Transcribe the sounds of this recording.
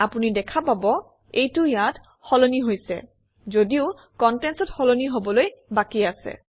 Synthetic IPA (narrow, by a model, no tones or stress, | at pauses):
apunidɛkʰapabɔ | ejtʊjat | xɔloniɦojsɛ̰ | zodiʊ | kɔntɛnsɔtxɔloniɦobɔlojbakiasɛ̰